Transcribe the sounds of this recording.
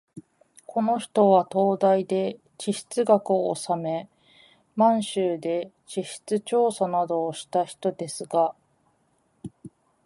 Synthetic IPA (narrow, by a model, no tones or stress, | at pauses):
kʰo̞no̞çi̥t̪o̞βat̪o̞ːd̪aid̪e̞ | t͡ɕiɕi̥t͡sɨɡakɯ̟o̰ːsame̞ | mãɰ̃ɕɨːd̪e̞ | t͡ɕiɕi̥t͡sɨt͡ɕo̞ːsanad̪o̞ːɕi̥t̪açi̥t̪o̞d̪e̞sɨɡa